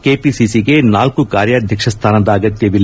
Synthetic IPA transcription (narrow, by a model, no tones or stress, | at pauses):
keːpisisiɡe̞naːlkukaːɾjɐːd̪ʱjɐkʂɐst̪ʰaːnɐd̪ɐːɡɐt̪jɐʋilː